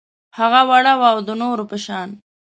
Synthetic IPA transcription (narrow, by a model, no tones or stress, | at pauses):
haɣawaɽawawd̪ənoɾopəʃɑːn